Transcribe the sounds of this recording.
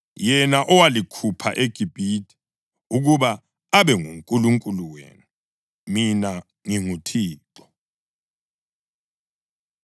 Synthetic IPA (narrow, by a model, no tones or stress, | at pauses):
jɛnaʔɔwalikʰupʰa̰ʔeɡ̥ʱib̥ʱitʰʼi̥ | uɣuβa | aɓɛŋuŋkʼuluŋkʼuluwḛːnu | mina | ŋiŋutʰiːǁɔ̥